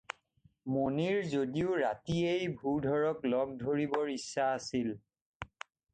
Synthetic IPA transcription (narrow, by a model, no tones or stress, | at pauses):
moniɹzodiʊɹatiejbʱudʱɔɹɔklɔɡ̚dʱoɹibɔɹisːaːsil